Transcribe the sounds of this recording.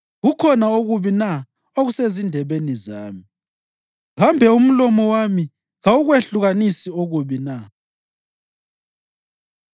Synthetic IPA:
ɣukʰɔnaoɣuβina | oɣusezindʱɛβeniza̰ːmi | ɣambʱɛum̩lɔmɔwami | ɣauɣweɬuɣanisioɣuβina

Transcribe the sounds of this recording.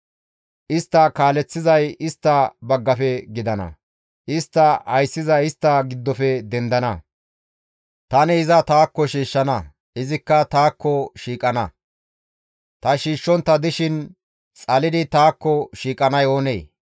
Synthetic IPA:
ʔɪst̪ːɐkaːlɛt͡sːɪzɐjɪst̪ːɐbɐɡːɐfɛɡɪd̪ɐnɐ̰ | ʔɪst̪ːɐhɐjsːɪzɐjɪst̪ːɐɡɪd̪ːɔfɛd̪ɛnd̪ɐnɐ | t̪ɐnɛɪzɐt̪aːkːɔʃiːʃːɐnɐ | ʔɪzɪkːɐt̪aːkːɔʃiːkʼɐnɐ | t̪ɐʃiːʃːɔnt̪ːɐd̪ɪʃɪn | t͡sʼɐlɪd̪ɪt̪aːkːɔʃiːkʼɐnɐjo̞ːnḛː

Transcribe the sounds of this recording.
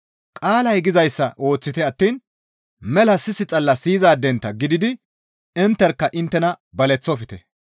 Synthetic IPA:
kʼaːlɐjɡɪzɐjsːɐʔo̞ːt͡sːɪt̪ɛɐt̪ːiːn | mɛlɐsɪsɪt͡sʼɐlːɐsiːzaːd̪ɛnt̪ːɐɡɪd̪ɪd̪ɪ | ɪnt̪ːɛɾkːɐʔɪnt̪ːɛnɐbɐlɛt͡sːɔfɪt̪ɛ

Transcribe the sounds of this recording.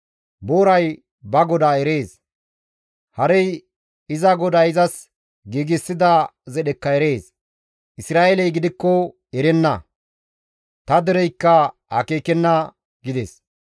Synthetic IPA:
boːɾɐj | bɐɡɔd̪aːɛɾe̞ːs | hɐɾɛj | ɪzɐɡɔd̪ɐjɪzɐs | ɡiːɡɪsːɪd̪ɐzɛɗɛkːɐɛɾe̞ːs | ʔɪsɾaːelɛjɡɪd̪ɪkːɔ | ɛɾɛnːɐ | t̪ɐd̪ɛɾɛjkːɐhɐ̰keːkɛnːɐ | ɡɪd̪ɛs

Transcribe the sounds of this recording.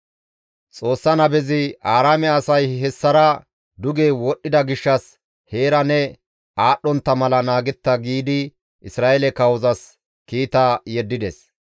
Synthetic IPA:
t͡sʼo̞ːsːɐnɐbɛzɪaːɾaːmɛɐsɐjɦɛsːɐɾɐ | d̪ʊɡeːwɔɗːɪd̪ɐɡɪʃːɐs | he̞ːɾɐnɛ | aːɗːɔnt̪ːɐmɐlɐnaːɡɛt̪ːɐɡiːd̪ɪ | ʔɪsɾaːɛlɛkɐwɔzɐs | kiːt̪ɐjɛd̪ːɪd̪ɛs

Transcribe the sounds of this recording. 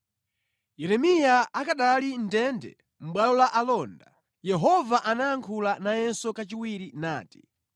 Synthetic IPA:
jɛɾɛmijaakaɗalindɛndɛ̰ | m̩ɓwalɔlaʔalɔnda | jɛɦɔvaʔanaaŋkʰulanajɛnsɔkat͡ʃiwiɾina̰ːti̥

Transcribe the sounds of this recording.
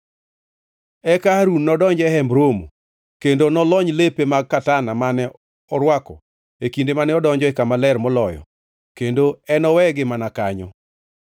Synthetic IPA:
ɛkaɾunːɔdɔɲd͡ʒɛɦɛmbɾomo̰ | kendonɔlɔɲlepemaɡ̚kːatanamanɛ | ɔɾwakɔ̰ | ekindemanɛɔdɔɲd͡ʒɔɛkamalɛrmɔlɔjɔ̰ | kendoɛnɔwɛɡɪmanakaɲɔ̰

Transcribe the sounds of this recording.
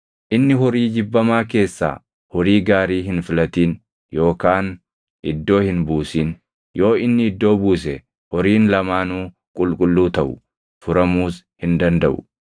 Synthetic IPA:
ʔɪnːɪɦɔɾiːd͡ʒɪbːɐmaːke̞ːsːa̰ː | hɔɾiːɡaːɾiːɦɪnfɪlɐt̪iːn | jo̞ːkaːn | ʔɪd̪ːo̞ːhɪnbuːsiːn | jo̞ːɪnːɪɪd̪ːo̞ːbuːs̬ɛ | hɔɾiːnlɐmaːnuː | kʼʊlkʼʊlːuːt̪ɐʔʊ | fʊɾɐmuːs | hɪnd̪ɐnd̪ɐʔʊ̰

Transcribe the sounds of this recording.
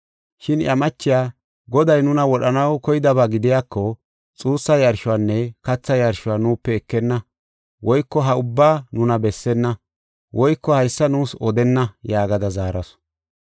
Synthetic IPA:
ʃɪnjɐmɐt͡ʃːɪjaː | ɡɔd̪ɐjnʊnɐwɔɗɐnɐwkɔjɪd̪ɐbaːɡɪd̪ɪjaːkːɔ | t͡sʼuːsːɐjɐɾʃʊwaːnːɛkɐt͡sːɐjɐɾʃʊwaːnuːpːɛːkːɛnːɐ | wɔjkːɔɦɐʊbːaːnʊnɐbɛsːɛnːɐ | wʔɔjkːɔhɐjsːɐnuːsɔd̪ɛnːɐjaːɡɐd̪ɐzaːɾɐsɔ̥

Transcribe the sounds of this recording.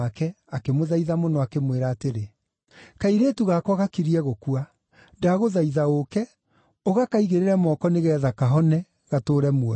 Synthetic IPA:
akɛ | akemoðaiðamonɔakemweɾaːteɾe | kaiɾetuɣakɔɣakiɾiɛɣokwa | ndaɣoðaiðaokɛ | oɣakaiɣeɾeɾɛmɔkɔneɣɛːðakaɦɔnɛ | ɣatoːɾɛmwɔ

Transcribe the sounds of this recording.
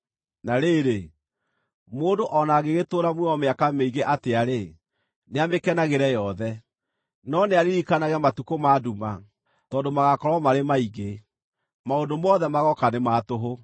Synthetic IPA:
naɾeɾe | moːndoʔɔnaɣeɣetoːɾamwɛɔmeakameiɣeʔateaɾe | neamekɛnaɣeɾɛjɔðɛ | nɔneaɾiɾikanaɣɛmatukomaːduma | tɔːdomaɣakɔɾɔmaɾemaiɣe | maondomɔðɛmaɣɔkanemaːtoɦo

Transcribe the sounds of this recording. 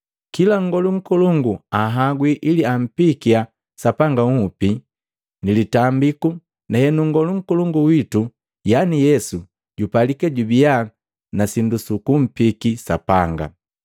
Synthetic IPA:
kilaŋɡɔluŋ̩kuluŋɡuaɦaɡwiʔiliam̩pikia | sapaŋɡaŋ̩upi | nilitambiku | nahɛnuŋɡɔluŋ̩kuluŋɡuwitu | janijɛsu | ɟupalikɛɟubia | nasindusukum̩pikisapaŋɡa̰

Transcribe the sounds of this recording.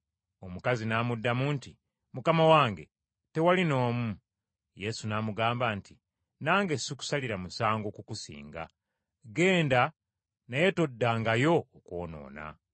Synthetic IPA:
omukazinaːmudːamunti | mukamawaːŋɡe̞̰ | te̞walino̞ːmu | je̞sunaːmuɡaːmbanti | naːŋɡe̞siku̥saliɾamusaːŋɡokukusḭːŋɡa̰ | ɡe̞ːnda | naje̞todːaːŋɡajo̞ːkwo̞̰ːno̞̰ːna̰

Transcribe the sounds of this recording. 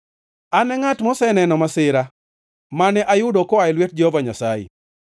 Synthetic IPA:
anɛŋatmɔsɛnɛnɔmasɪɾa | manɛʔajʊdokɔaɪlwet̚d͡ʒovaɲasajḛ

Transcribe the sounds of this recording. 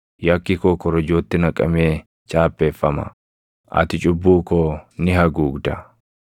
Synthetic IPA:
jɐkːɪkoːkɔɾɐd͡ʒoːt̪ːɪnɐkʼɐ̰meː | t͡ʃʼaːpːe̞ːfːɐmɐ̰ | ʔɐ̰t̪ɪt͡ʃʼʊbːuːkoːnɪɦɐɡuːɡd̪ɐ

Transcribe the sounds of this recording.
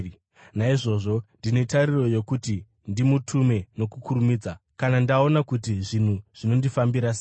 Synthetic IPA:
naiʐo̞ːʐo̞ndine̞tariro̞je̞kuti | ndimutʰume̞no̞kukʰuɾumiːd͡zakanandao̞nakutiʐin̤uʐ̥ino̞ndifambiɾase

